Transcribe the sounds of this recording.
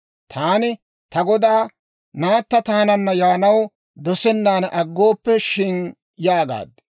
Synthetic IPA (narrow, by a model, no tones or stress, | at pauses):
t̪ʰaːnɪ | t̪ɐɡɔd̪aː | naːt̪ːɐt̪aːnɐnːɐjaːnɐw | d̪ɔsɛnːaːnʔɐɡːoːpːɛʃɪn | jaːɡa̰ːd̪̚